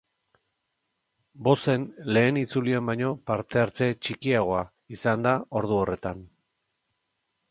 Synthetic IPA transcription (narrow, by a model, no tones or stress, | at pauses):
bo̞se̞nle̞ːnit͡suliambajɲo̞paɾt̪e̞aɾt͡se̞t͡ʃikiaɣ̞o̞a | isand̪ao̞ɾð̞uo̞re̞t̪an